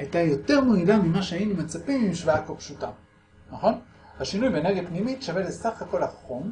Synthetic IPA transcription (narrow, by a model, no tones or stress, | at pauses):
ajtajo̞te̞ʁmoidamimaʃeainumet͡sapimimʃvaakopʃuta | naχo̞n | haʃinujbeneɡepnimitʃavelesaχako̞laχom